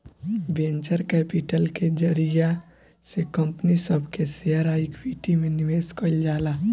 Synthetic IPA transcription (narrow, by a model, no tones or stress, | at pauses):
ʋẽːɲt͡ʃəɾkɛːpɪʈəlked͡ʒəɾija | sekəmpnisəbʱkesiaɾaikʋiːʈimẽnɪʋeːskəld͡ʒaːlaː